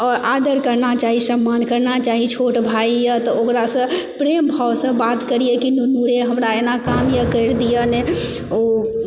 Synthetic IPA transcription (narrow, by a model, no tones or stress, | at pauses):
ɔːɾad̪əɾkəɾnat͡ʃaɦisəmːankəɾnat͡ʃaɦit͡ʃʰoʈbʱaijət̪ɔokɾasə̃pɾembʱawsə̃bat̪kəɾijekinunuɾeɦəmɾaenakamjəkəɾd̪ijəne | o